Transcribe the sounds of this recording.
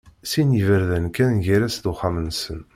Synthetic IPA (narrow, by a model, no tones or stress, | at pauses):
sinjəvəɾðænkænʝiɾæsd̪ʊχamənsən